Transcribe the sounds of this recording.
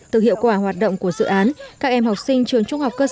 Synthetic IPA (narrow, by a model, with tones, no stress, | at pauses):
t̪ɨ˨˩k̚hḭ˧˨əwkwaː˧˩hwaː˨˩t̚ɗo̰˧˨wŋ͡mku˧˩əzɨ̰˧˨ʔaː˨˦nkaː˦˥k̚ʔɛ˧mha˨˩wk͡p̚sï˧ŋ̟t͡ɕɨ˨˩əŋt͡ɕʊ˧ŋ͡mha˨˩wk͡p̚kəː˧